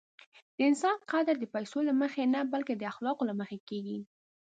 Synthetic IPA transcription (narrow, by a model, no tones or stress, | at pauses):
d̪̥əɪnsɑnqɑd̪ɪɾd̪əpajsolaməxenabalked̪əaxlɑqolaməxekeɡi